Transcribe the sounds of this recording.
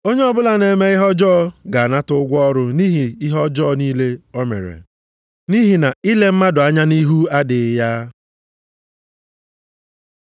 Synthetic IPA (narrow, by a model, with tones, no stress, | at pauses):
o˦ɲe˦ɔ˦bʊ˦la˨ne˨me˦ɪ˦ɦɔ˦d͡ʒɔː˦˨ɡa˨a˨na˦tʊ˦ʊ˦ɡʷɔ˦ɾʊ˦niː˦ɦi˨ɪ˦ɦɔ˦d͡ʒɔː˦˨niː˦le˦ɔ˦mḛ˨ɾḛ˨ | ni˦ɦi˨na˨i˦le˦m̩˦ma˦dʊ˨a˦ɲa˦ni˦ɦu˦a˦dɪ˨˦ja˦